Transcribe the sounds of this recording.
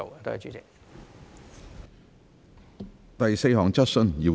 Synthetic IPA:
o˨wt̪o˥ht͡ʃyː˧˥t͡sɪ˨k̚ | t̪ɐ˨jse˧jɦɔː˨˩ŋt͡sɐ˥t̚sɵ˧njiː˨˧

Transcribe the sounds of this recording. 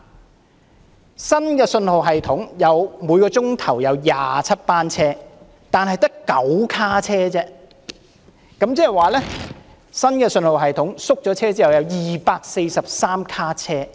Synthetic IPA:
sɐ˥nkɛː˧sɵ˧nho˨wɦɐ˨jt̪ʰʊ˨˥ŋjɐ˨˧wmuː˨˧jkɔː˧t͡sʊ˥ŋt̪ʰɐ˨˩wjɐ˨˧wja̰ː˨t͡sʰɐ˥t̚paː˥nt͡sʰɛː˥ | t̪aː˨nɦɐ˨jt̪ɐ˥kːɐ˨˥wkʰaː˥t͡sʰɛː˥t͡sɛː˥ | kɐ˨˥mt͡sɛː˥ɛ˨jwaː˨lɛː˥ | sɐ˥nkɛː˧sɵ˧nho˨wɦɐ˨jt̪ʰʊ˨˥ŋsʊ˥k̚t͡ʃɔː˨˥t͡sʰɛː˥t͡siː˥hɐ˨˩wjɐ˨˧wjiː˨paː˧k̚se˧jsɐ˨p̚saː˥mkʰaː˥t͡sʰɛː˥

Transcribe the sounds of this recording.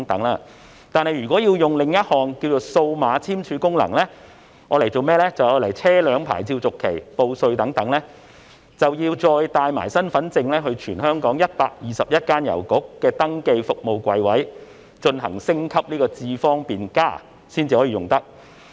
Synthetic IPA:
ŋt̪ɐ˨˥ŋlaː˧ | t̪aː˨nhɐ˨jɥyː˨kʷɔː˨˥jiː˧wjʊ˨ŋlɪ˧ŋjɐ˥t̚hɔː˨ŋkiː˧wt͡so˨˩wso˧wmaː˨˧t͡sʰiː˥mt͡ʃʰyː˨˧˥kʊ˥ŋlɐ̰˨˩ŋlɛː˥ | ŋɔː˨˧le˨˩jt͡so˨wmɛː˥lɛː˥t͡sɐ˨wɔː˨˧lɐ˨˩jt͡sʰɛː˥lœː˨˧ŋpʰa̰ː˨˩jt͡sʰiː˧wt͡sʊ˨kʰːḛ˨˩jpo˧wsɵ˧ɥt̪ɐ˨˥ŋt̪ɐ˨˥ŋlɛː˥ | t͡sɐ˨wjiː˧wt͡sɔː˧jt̪aː˧jma̰ː˨˩jsɐ˥nfɐ˨˥nt͡sɪ˧ŋlɛː˥ɦɵ˧ɥt͡ʃʰyː˨˩nhœː˥ŋkɔː˨˥ŋjɐ˥t̚paː˧k̚jiː˨˧sɐ˨p̚jɐ˥t̚kaː˥njɐ̰˨˩wkʊ˨˥kːɛː˧t̪ɐ˥ŋke˧jfʊ˨k̚mo˨wkʷɐ˨˧jwɐ˨˥j | t͡ʃɵ˧nɦɐ̰˨˩ŋsɪ˥ŋkʰɐ˥p̚niː˥kɔː˧t͡siː˧fɔː˥ŋpiː˨nkaː˥˩ | siː˥nt͡siː˨˧hɔː˨˥jiː˧jʊ˨ŋt̪ɐ˥k̚

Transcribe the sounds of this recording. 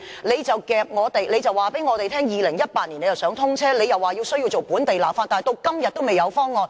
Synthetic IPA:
le˨˧jt͡sɐ˨wkɛː˧p̚ŋɔː˨˧t̪e˨jle˨˧jt͡sɐ˨waː˨˩pe˨˥jŋɔː˨˧t̪e˨jt̪ʰɛː˥ŋjiː˨˧lɪ˨˩ŋjɐ˥t̚paː˧˥t̚ni˨˩ne˨˧jt͡sːɐ˨˩wsœː˨˥ŋt̪ʰʊ˥ŋt͡sʰɛː˥le˨˧jɐ˨wːaː˨ji˧wsɵ˥ji˧wt͡so˨˩wpuː˨˥nt̪e˨jlaː˨˩faː˧nt̪aː˨jt̪o˧wkɐ˥mjɐ˨t̪̚ːo˥wme˨jɐ˨˧wfɔː˥ŋːɔː˨˧n

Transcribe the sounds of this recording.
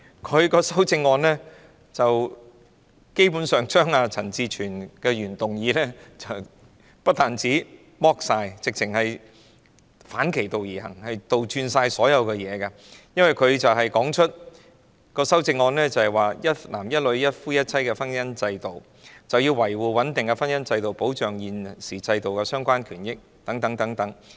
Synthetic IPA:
kʰɵ˨˧ɥkɔː˧sɐ˥wt͡sɪ˧ŋːɔː˧nlɛː˥ | t͡sɐ˨w | ke˥jp̬uː˨˥nsœː˨ŋt͡ʃœː˥ŋaː˧t͡sʰɐ˨˩nt͡siː˨˧t͡ʃʰyː˨˩nkɛː˧ɥyː˨˩nt̪ʊ˨ŋjiː˨˧lɛː˥t͡sɐ˨w | pɐ˥t̚t̪aː˨nt͡siː˨˥ | mɔː˥k̚saː˧jt͡sɪ˨k̚t͡sʰɪ˨˩ŋhɐ˨j | faː˨˥nkʰe˨˩jt̪o˨wjiː˨˩hɐ̰˨˩ŋhɐ˨jt̪o˨wt͡ʃyː˧nsaː˧jsɔː˨˥jɐ˨˧wkɛː˧jɛː˨˧kɐ˧ | jɐ˥nwɐ˨jkʰɵ˨˧ɥt͡sɐ˨wɦɐ˨jkɔː˨˥ŋt͡ʃʰɵ˥t̚ | kɔː˧sɐ˥wt͡sɪ˧ŋːɔː˧nlɛː˥t͡sɐ˨˩hɐ˨˩jwaː˨jɐ˥t̚laː˨˩mjɐ˥t̚lɵ˨˧ɥjɐ˥t̚fuː˥jɐ˥t̚t͡sʰɐ˥jkɛː˧fɐ˥njɐ˥nt͡sɐ˧jt̪o˨w | t͡sɐ˨wjiː˧wwɐ˨˩jwuː˨˩wɐ˨˥nt̪ɪ˨ŋkɛ˧fɐ˥njɐ˥nt͡sɐ˧jt̪o˨wpo˨˥wt͡ʃœː˨˩ŋjiː˨nsiː˨˩t͡sɐ˧jt̪o˨wkɛː˧sœː˥ŋkʷaː˥nkʰyː˨˩njɪ˥k̚ | t̪ɐ˨˥ŋt̪ɐ˨˥ŋt̪ɐ˨˥ŋt̪ɐ˨˥ŋ

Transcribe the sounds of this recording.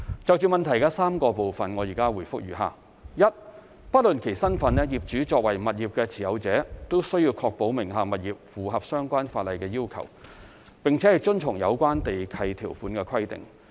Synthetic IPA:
t͡sɐ˨wt͡ʃyː˨˩mɐ˨nt̪ʰɐ˨˩jkɐː˧saː˥mkɔː˧po˨wfɐ˨nŋɔː˨˧jiː˨˩kaː˥wuː˨˩jfʊ˥k̚jy̰ː˨˩ɦa̰ː˨˩ | jɐ˥t̚ | pɐ˥t̚lɵ˨nkʰe˨˩jsɐ˥nfɐ˨˥nɛ˥jiː˨p̚t͡ʃyː˨˥t͡ʃɔː˧k̚wɐ˨˩jmɐ˨t̚jiː˨˩p̚kɛː˧t͡sʰiː˨˩jɐ˨˧wt͡sɛː˨˥t̪o˥wsɵ˥ɥji˧wkʰɔː˧k̚po˨˥wmɪ˨˩ŋɦaː˨mɐ˨˩t̚jiː˨p̚fuː˨˧ɦɐ˨p̚sœː˥ŋkʷaː˥nfaː˧t̚lɐ˨˧jkɛː˧jiː˥wkʰɐ̰˨˩w | pɪ˨ŋt͡sʰɛ˨˦hɐ˨jt͡ʃɵ˥nt͡sʰʊ˨˩ŋjɐ̰˨˧wkʷaː˥nt̪e˨jkʰɐ˧jt̪ʰiː˨˩wfuː˨˥nkɛː˧kʰɐ˥jt̪ɪ̰˨ŋ

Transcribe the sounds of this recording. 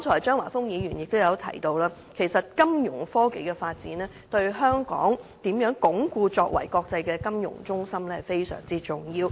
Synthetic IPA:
tʰɔː˨˩jt͡ʃœː˥ŋwaː˨˩fʊ˥ŋjiː˨˧jyː˨˩njɪ˨k̚t̪o˥wjɐ˨˧wt̪ʰɐ̰˨˩jt̪o˧wlaː˥ | kʰe˨˩jsɐ˨t̚kɐ˥mjʊ˨˩ŋfɔː˥ke˨˥jkɛː˧faː˧t̚t͡siː˨˥nɛː˥t̪ɵ˧ɥɦœː˥ŋkɔ̰ː˨˥ŋt̪iː˨˥mjœː˨˥ŋkʊ˨˥ŋkuː˧t͡sɔː˧k̚wɐ̰˨˩jkɔː˧k̚t͡sɐ˧jkɛː˧kɐ˥mjʊ̰˨˩ŋt͡sʊ˥ŋsɐ˥mlɛ˥hɐ˨˩jfe˥jsœ̰ː˨˩ŋt͡siː˥t͡sʊ˨ŋjiː˧w

